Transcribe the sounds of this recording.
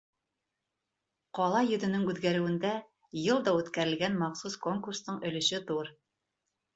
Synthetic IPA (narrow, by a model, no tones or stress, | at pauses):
qɒlˠɑjɵ̆ðɵ̆nɘŋʉðɡæɾɘ̆wɘ̆nd̪æ | jɤlˠd̪ɑʉt̪kæɾɘ̆lɡænmɑqsusko̞ŋkurst̪ɤɴɵ̆lɵ̆ʃɘðuɾ